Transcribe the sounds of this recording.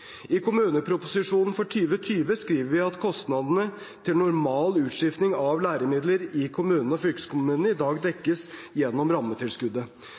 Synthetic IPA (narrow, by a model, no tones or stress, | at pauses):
ɪkʰʊmʉːnəpʰɾʊpʊsɪʂuːnn̩fɔʈʰyːʋət̪ʰyːʋəskɾiːʋəɾʋɪɑt̪kʰɔst̪nɑd̪ənə | t̪ʰɪlnʊɾmɑːlʉːt̪ʂɪft̪nɪŋɑʋlæːɾəmɪd̪ləɾɪkʰʊmʉːnn̩ɔfʏlkskʰʊmʉːnnəɪd̪ɑːɡd̪ɛkːəsjɛnːɔmɾɑmːət̪ʰɪlskʉd̪ə